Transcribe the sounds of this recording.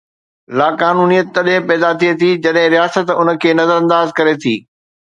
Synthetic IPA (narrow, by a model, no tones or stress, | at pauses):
laːkaːnuːnijət̪ːɐɗɦɪ̃pɛːd̪at̪ʰiet̪ʰid͡ʑɐɗɦɪ̃ɾijaːsət̪ʊnə̆kʰeːnɐzəɾɐ̃nd̪aːzkɐɾet̪ʰiː